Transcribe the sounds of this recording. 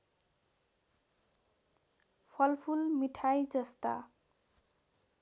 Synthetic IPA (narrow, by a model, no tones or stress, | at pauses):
pʰʌlpʰulmiʈʰajd͡zʌst̪a̰